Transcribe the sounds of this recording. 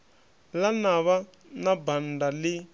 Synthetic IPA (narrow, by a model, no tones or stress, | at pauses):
lanaβa | nabandali